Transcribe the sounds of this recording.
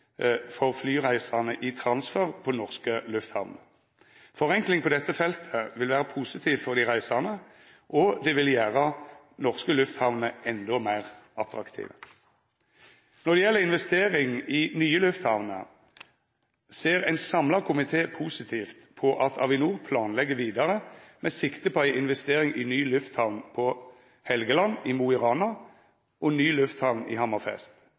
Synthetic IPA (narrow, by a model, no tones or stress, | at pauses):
fɔʁflyːʁæɪsɑnəʔɪt̪ʰʁɑnsfœʁpʰɔnɔʁskəlʉft̪hɑ̰ʋnə | fɔʁɛŋklɪŋpʰɔd̪ɛt̪ːəfɛlt̪ʰəʋɪlʋæːʁəpʰuːsɪt̪ʰiːʋfɔʁd̪ɪʁæɪsɑʁnə | ʔɔd̪ɛʋɪljæːʁə | nɔʁskəlʉft̪hɑʋnəʔɛnd̪ɔmæɪʁʔɑt̪ʁɑkt̪ʰḭːʋə | nɔʁd̪ɛjɛlːəɪnʋɛst̪eːʁɪŋiːnyːəlʉft̪hɑʋnə̰ | seːʁæɪnsɑmlɑkʰʊmɪt̪ʰeːpʰuːsɪt̪ʰiːft̪pʰɔʔɑt̪ʰɑ̰ʋɪnuːʁpʰlɑːnlɛɡəʋiːd̪ɑʁəmɛːsɪkt̪əpʰɔæɪʔɪnʋɛst̪eːʁɪŋɪnyːlʉft̪hɑʋnpʰɔ | hɛlɡəlɑnːɪmuːɪʁɑːnɑ | ɔnyːlʉft̪hɑʋnḭhɑmɑʁfɛ̰st̪